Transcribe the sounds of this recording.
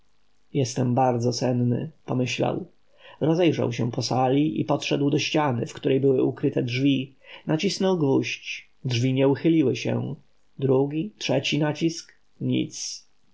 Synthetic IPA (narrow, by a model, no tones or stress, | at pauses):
jɛst̪ɛmbaɾd̪zɔsɛnnɘ̰pɔmɘɕla̰w | ɾɔzɛjʐa̰wɕɛpɔsalʲiʔḭpɔt̪ʂɛd̪wd̪ɔɕt͡ɕanɘ̰fkt̪uɾɛjbɘwɘukɾɘt̪ɛdʐvʲi | nat͡ɕisnɔwɡvuɕt͡ɕ | dʐvʲiɲɛuxɘlʲiwɘɕɛ̰ | d̪ɾuɡʲitʂɛt͡ɕinat͡ɕisk | ɲḭt̪s